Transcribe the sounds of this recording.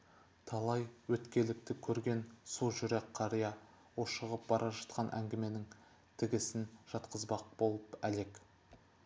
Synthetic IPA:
t̪ʰɑlˠɑjwɵt̪kʲe̞lɪk̚t̪ɪkʲʰɵɾɡʲe̞nsolˠʒʏɾekʰːɑɾijɑ | woʃəʁəp̚bɑɾʔɑʒɑt̪̚qʰɑnʔæ̰ŋɡʲɪme̞nɪŋ | t̪ʰɪɡʲɪsɪnʒ̥ɑt̪qəzbɑq̚bo̞lˠəpæle̞k

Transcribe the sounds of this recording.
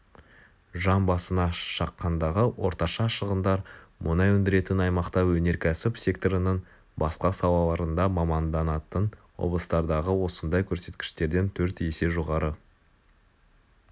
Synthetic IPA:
ʒɑnbɑsənɑʃɑqːɑnd̪ɑʁəwʔo̞̰ɾt̪ɑʃɑʃəʁənd̪ɑɾmʔʊnɑjɵnd̪ɪɾe̞t̪ɪnɑjmɑqt̪ɑwɵne̞ɾkʲʰæsɪpsʲe̞k̚t̪oɾənəɴ | bɑsqɑsɑw̪ˠɑlˠɑɾənd̪ɑmɑmɑnd̪ɑnɑt̪ənwo̞̰blˠəst̪ɑɾd̪ɑʁəwo̞sənd̪ɑjkʲʰɵɾse̞t̪kʲɪ̥ʃt̪e̞ɾd̪e̞nt̪ʰɵɾt̪ese̞ʒo̞ʁɑɾə

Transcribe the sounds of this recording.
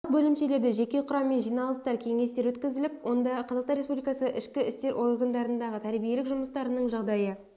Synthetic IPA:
əq̚bɵlɪmʃe̞le̞ɾd̪ɪʒe̞kʲe̞qʰʊɾɑmːe̞nʒijnɑlˠəst̪ɑɾkʲʰe̞ŋe̞st̪eɾwɵt̪kʲɪzɪlɪpwo̞nd̪ɑqʰɑzɑqsɑnɾespublʲijkɑsəʔɪʃkʲɪɪst̪e̞ɾʔo̞rɡand̪ɑɾənd̪ɑʁət̪ʰæɾbije̞lɪkʒʊməst̪ɑɾənəɴʒɑʁd̪ɑjə

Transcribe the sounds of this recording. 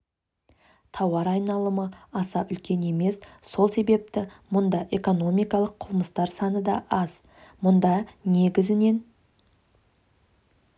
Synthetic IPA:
t̪ʰɑwɑɾɑjnɑlˠəməɑsɑʔʏlkʲe̞ne̞me̞sso̞lˠse̞be̞p̚t̪ɪmʊnd̪ɑʔe̞ko̞no̞mijkɑlˠəqʰʊlˠməst̪ɑɾsɑnəd̪ɑʔɑz̥ | mʊnd̪ɑne̞ɡʲɪzɪne̞n

